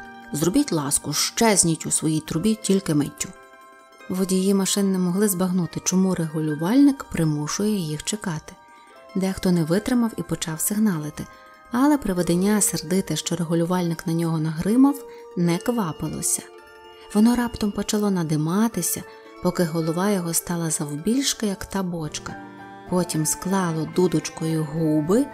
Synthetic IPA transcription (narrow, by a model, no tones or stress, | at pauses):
zrɔbʲitʲlˠɑskʊʃt͡ʃɛzʲnʲitʲusʋɔjijt̪ʊɾbʲitʲilʲkɪmetʲːu | ʋɔdʲijjimɐʃɪnnɛmɔɦlˠɪzbɐɦnut̪ɪt͡ʃɔmuɾeɦʊlʲʊʋɑlʲnɪkpɾɪmuʃʊjɛjixt͡ʃekɑt̪ɪ̥ | d̪ɛxt̪ɔnɛʋɪt̪ɾɪmɐwipɔt͡ʃɑwsɪɦnɑlˠɪt̪ɪ | ɐlˠɛpɾɪʋed̪enʲːaserd̪ɪt̪ɪʃt͡ʃɔɾeɦʊlʲʊʋɑlʲnɪknɐnʲɔɦɔnɐɦɾɪmɐw | nɛkʋɑpɪlˠɔ̰sʲɐ̥ | ʋɔnɔɾɑpt̪ɔmpɔt͡ʃɐlˠɔnɐd̪ɪmɑt̪ɪsʲɐ | pɔkɪɦɔlˠɔʋɑjɔɦɔst̪ɑlˠɐzɐwbʲilʲʃkɐjɐkt̪ɑbɔt͡ʃkɐ | pɔtʲimsklˠɑlˠɔd̪ud̪ʊt͡ʃkɔjʊɦubɪ